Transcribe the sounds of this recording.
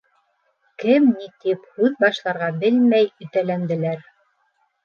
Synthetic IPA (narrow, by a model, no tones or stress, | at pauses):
kɘmnit̪iphʉðbɑʃlˠɑɾʁɑbɘlmæjɵ̆t̪ælænd̪ɘ̆læɾ